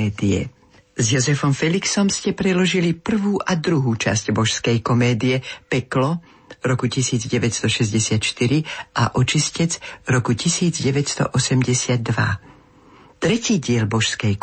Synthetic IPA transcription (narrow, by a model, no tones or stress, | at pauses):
ɛːd̪iɛ̰ | zjɔzɛfɔmfɛliksɔmscɛpɾɛd̪lɔʒilipr̩ʋuːʔad̪ɾuɦuːt͡ʃa̰sɟbɔʃskɛjkɔmɛːd̪iɛpɛklɔ | ɾɔkucisiːd͡zɟɛʋɛcst̪ɔʃɛzɟɛsɪat̪ʃt̪iɾiʔaʔɔt͡ʃiscɛd͡zɾɔkucisiːd͡zɟɛʋɛcst̪ɔ̰ʔɔsɛmɟɛsɪad̪̚ːʋa̰ | t̪ɾɛciːɟɪɛlbɔʃskɛj